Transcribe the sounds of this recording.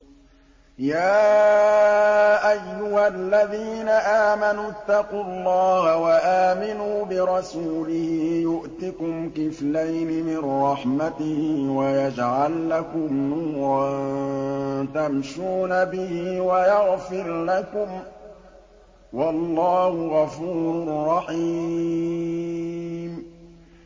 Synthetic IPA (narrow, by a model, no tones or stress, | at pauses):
jaː | ʔajːʊhalːaðiːnaʔaːmanut̪ːɑqullˤːɑːhawaʔaːmɪnuːbɪɾˤɑsuːlɪhɪɪjʊʔt̪ɪkʊmkɪflajnɪmɪnɾˤɑħmat̪ɪhɪwajad͡ʒʕalːakʊmnuːɾˤɑnnn | t̪amʃuːnabɪhɪwajaɣfɪɾlakʊm | wɑlˤːɑːhʊɣɑfuːɾɾʊrːɑħi | m